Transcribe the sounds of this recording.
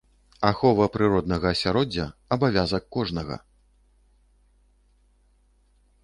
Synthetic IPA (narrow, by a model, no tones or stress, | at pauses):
axɔvɐpɾɨɾɔd̪nɐɣɐːsʲaɾɔd͡zʲːɐɐbavʲazɐkːɔʐnɐɣɐ̰